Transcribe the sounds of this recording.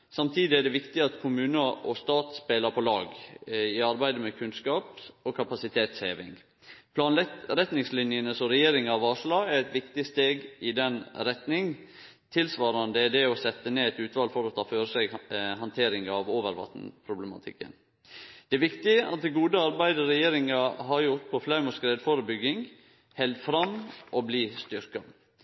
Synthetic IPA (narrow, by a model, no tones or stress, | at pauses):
sɑmt̪ʰiːd̪ɪæɖɛʋɪkt̪ɪɑt̪kʰʊmʉːnəʔɔst̪ɑːt̪speːləɾpʰɔlɑːɡɪɑɾbæɪd̪əmɛkʰʉnskɑːpɔkʰɑpɑsɪt̪ʰeːt̪sheːʋɪ̰ŋ | pʰlɑːnɛɾɛt̪nɪŋslɪnjənəsɔɾɛjeːɾɪŋɑʋɑːʂlɑːæɾɛt̪ʋɪkt̪ɪst̪eːɡɪd̪ɛnɾɛt̪nɪŋ | t̪ʰɪlsʋɑːɾɑnd̪əd̪ɛɔsɛt̪ːəneːɛt̪ʉːt̪ʰʋɑːlfɔɾɔt̪ʰɑːføːɾəsɛɡhɑnt̪ʰeːɾɪŋɑʋoːʋəɾʋɑ̰t̪n̩pʰɾʊbləmɑ̰t̪ʰɪ̰kːə̰n | d̪̥ɛːʋɪkt̪ɪʔɑ̰t̪̚d̪ɛɡuːd̪əɑɾbæɪd̪əɾɛjeːɾɪŋɑɦɑɾjʊɾt̪̚pʰɔflæmɔskɾeːd̪foɾəbʏɡːɪŋ | hɛld̪fɾɑmʔɔbliːst̪ʏɾkɑ